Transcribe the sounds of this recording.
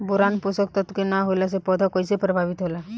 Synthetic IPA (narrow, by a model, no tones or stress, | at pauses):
buɾanpusəkt̪ɔt̪kenaɦolas̬epɔd̪ʱakɔjsepɾəbʱaʋit̪ɦola